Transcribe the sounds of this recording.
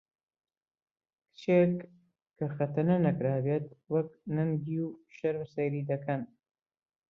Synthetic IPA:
kɨ̥t͡ʃekːʰ | ɐxɐt̪ɨɾnɐnɐkɾaːbeːt̪̚wɐk̚nɨnɡiwʃɐɾmsɐjɾiːd̪ɐkʰɐn

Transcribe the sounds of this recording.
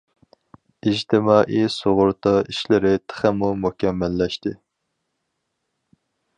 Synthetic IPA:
id͡ʒt̪ʰɪmɑːʔisoʁʊɾt̪ʰɑiʃlɪɾɪt̪ʰə̥χɛmumukʲɛmːɛlːɛʃt̪ɪ

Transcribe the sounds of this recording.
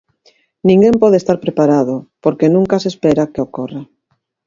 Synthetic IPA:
nĩŋɡempɔð̞est̪aɾpɾepaɾaðopoɾkenũŋkasespeɾakeokora

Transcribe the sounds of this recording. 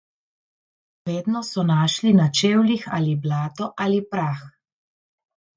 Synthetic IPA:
ʋeːd̪nɔsɔnaːʃlinat͡ʃeːwlixaliblaːt̪ɔʔalipɾax

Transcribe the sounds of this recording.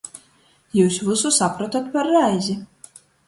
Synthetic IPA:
juːsvususapɾɔt̪ɔt̪pɐɾːajzʲi

